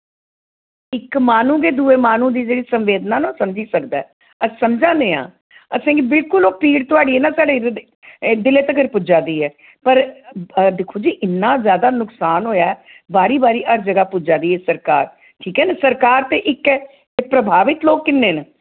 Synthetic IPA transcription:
ɪkmaːnũːɡeːd̪uːeːmaːnũːd̪iːd͡ʒeːɽiːsəmʋeːd̪naːnoːsəmd͡ʒiːsəkd̪aːɛː | əsəmd͡ʒãːneːã̰ː | əsãːɡibɪlkʊloːpiːɽt̪ʊaːɽiːeːnãːsaːɖeː | d̪ɪleːt̪əkəɾpʊd͡ʒaːd̪iːɛː | pəɾ | d̪eːkʰoːd͡ʒiːʔɪnːãːzjaːd̪aːnʊksaːnɦoːjaːɛː | baːɾiːbaːɾiːʔəɾd͡ʒəɡaːpʊd͡ʒaːd̪iːɛːsəɾkaːɾ | ʈʰiːkɛːnesəɾkaːɾt̪eːʔɪkː | pɾəbʱaːʋɪt̪loːkːɪnːeːnə

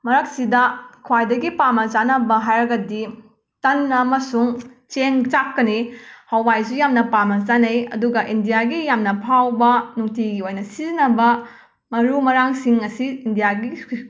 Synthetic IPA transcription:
mɐɾɐk̚sidɐkʰwajdɐɡipamɐt͡ʃanɐbɐɦajɾɐɡɐdi | tɐnːɐmɐsuŋt͡ʃeŋt͡ʃakːɐnihɐwajsujamnɐpamɐzanɐjɐ̰duɡɐʔindijaɡijamnɐpʰawbɐnuŋtʰiɡiojnɐsizinɐbɐ | mɐɾumɐɾaŋsiŋɐsiːndijaɡi

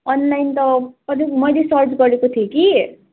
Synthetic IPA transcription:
ʌnlajnt̪ʌkʌɾimʌjlesʌrd͡ʒɡʌɾekot̪ʰieki

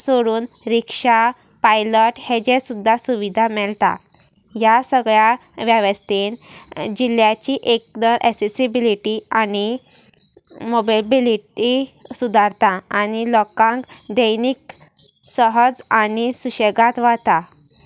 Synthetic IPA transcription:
soɽuːn | ɾikʂa | pajləʈhed͡ʑɛ̃sud̪ʱːasuʋid̪ʱamɛɭt̪a̰ | jasəɡɭjaʋjaʋəst̪end͡ʑiljat͡ɕiʔek̚d̪əɾʔɛksesibiliʈiani | mobabiliʈisud̪ʱaɾt̪ãanilɔkãŋkd̪əjnik | səɦəd͡zanisuɕeɡãt̪ʋat̪a

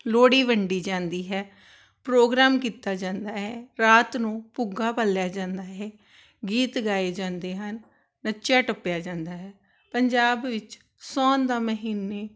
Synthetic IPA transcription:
loːɽiːʋəɳɖiːd͡ʒãːnd̪iːɦɛː | pɾoːɡɾaːmkiːt̪aːd͡ʒãːnd̪aːɦɛːɾaːt̪nũːpʊɡaːpəljaːd͡ʒãːnd̪aːɦɛː | ɡiːt̪ɡaːeːd͡ʒãːnd̪eːɦənː | ət͡ʃaːʈəpːjaːd͡ʒãːnd̪aːɦɛː | pəɲd͡ʒaːbʋɪt͡ʃ | sɔːnd̪aːməɦiːnːeː

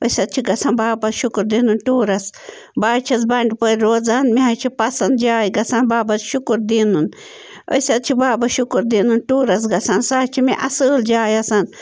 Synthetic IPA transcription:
ojsɐt̪̚t͡ʃʰiɡɐsʰɐnbaːbɐʃukɾd̪inunʈuːɾɐs | baːt͡ʃʰɐs̬bɐɳɖpəɾʲɾoːd͡zanmiɦɐt͡ʃʰipɐsɐnd̪d͡ʒaːjɡɐsɐnbaːbɐtʃukɾd̪inun | o̰jsʲɐt̪̚t͡ʃʰibaːbɐʃukɾd̪iːnunʈuːɾɐs̬ɡɐsɐnsaːt͡ʃʰimiʔɐsɨːld͡ʒaːjɐsɐn

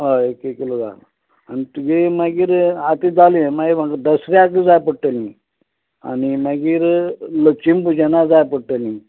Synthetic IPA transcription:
ɦaekekilod͡za̰lə̰ | anit̪uɡemaɡiːɾat̪id͡zalĩmaɡimaɡəd̪əsɾjakəd͡zajpəɽʈəlĩ | a̰nimaɡiːɾlət͡ʃimpud͡ʑenad͡zajpəɽʈəlĩ

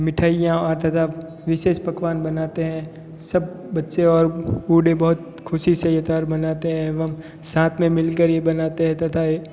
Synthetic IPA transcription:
mɪʈʰaːijãɔːɾt̪ɐt̪ʰa | ʋɪʃeːʃpɐkʋaːnbɐnaːt̪eɦɛ̃ | sɐb | bɐtːʃeɔːɾuːɖẽbɐɦʊt̪ | kʰʊʃisɐjət̪aːɾbɐnaːt̪eɦɛ̃ʋɐm | sãːt̪ʰmẽmɪlkəɾjebɐnaːt̪eɦɛ̃t̪ɐt̪ʰae

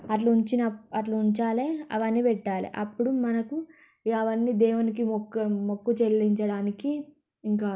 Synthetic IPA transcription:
ɐʈ̬luuɲt͡ʃinɐɐʈluuɲt͡ʃaːleɐ̰ʋɐnːipɛʈːaːlḭʔɐpːuɽumɐnɐku | ɐʋɐnːid̪ɛːwunikikmokːut͡ʃelːiɲt͡ʃɐɽaːnikiː | ŋkaː

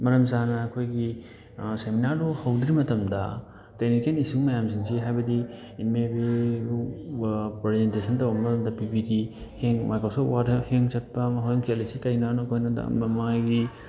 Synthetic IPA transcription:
mɐɾɐmzanɐːkʰojɡi | seminaɾduhɐwd̪ɾimɐtɐmdɐ̰ | teknikenisiŋmɐjamsiŋsiɦajbɐdi | imebe | pɾezentesʰɐntɐwbɐmɐtɐmdɐpipidiheŋmajkɾosopwadʰɐheŋt͡ʃɐt̚pɐmɐɦojŋkʰelesikɐjnanukʰojnɐda̰mɐmaɡi

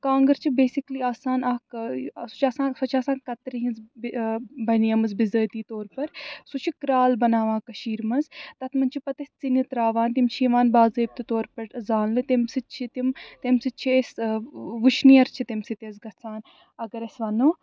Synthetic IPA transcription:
kãːŋɡɐɾt͡ʃʰibeːsikliːaːsaːnaːksu̥t͡ʃʰaːsãːsɐt͡ʃʰaːsaːnkɐt̪ɾiɦĩnzbbɐnijɐmɐzbizəːt̪iːt̪oːɾpɐɾsut͡ʃʰikɾaːlbɐnaːʋãːkɐʃiːɾmɐnzt̪ɐt̪ʰmɐnt͡ʃʰipɐt̪ɐst͡sinit̪ɾaːʋaːnt̪imt͡ʃʰiːʋaːnbaːzeːb̚t̪it̪oːɾpɐɾzaːnlɨt̪imsit͡ʃʰit̪imt̪emsit͡ʃʰiesʋuʃnijɐɾt͡ʃʰit̪imsit̪ezɡɐt͡saːn | ɐɡɐɾesʋɐnoː

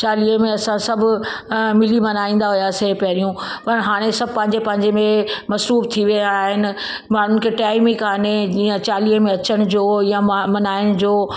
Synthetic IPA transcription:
t͡ɕaːliːəmẽɐsãsɐbʱʊ | mɪlimɐnaːĩːn̆d̪aɦujasepɐɾijũpɐɾɦaːɽ̃esɐbʱpɐ̃ɦɪ̃ɲd͡ʑepɐ̃ɦɪ̃ɲd͡ʑemẽmɐsɾuːft̪ʰiʋiaːɦɪnɪ̆ | maːɳ̤ʊnɪkʰeʈaːɪmikʰaːned͡ʑiːə̃t͡ɕaːliːəmẽɐt͡ɕəɽ̃ʊd͡ʑoːjãmɐnaːɪɽ̃ʊd͡ʑoː

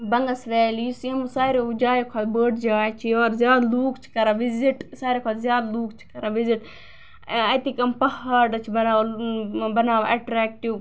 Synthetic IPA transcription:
bɐŋɡɐsʋɛːlijisjemusaːɾed͡ʒaːjokʰaːt̪bəːʈd͡ʒaːjt͡ʃʰioːɾzjaːd̪luːkʰt͡ʃʰi̥kɐɾaʋiziʈsaːɾekʰaːt̪zʲjaːd̪luːkʰt͡ʃʰi̥kɐɾaʋiziʈ | ɐt̪ikɐmpɐhɐɖɐt͡ʃʰibɐnaːʋ | bɐnaːʋʔɐʈɾɛːk̚ʈiʋ

